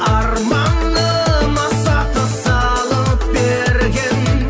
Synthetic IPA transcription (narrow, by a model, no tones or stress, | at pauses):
ɑɾmɑnːə | mɑsɑt̪əsɑ | lˠəp̚be | ɾɡʲen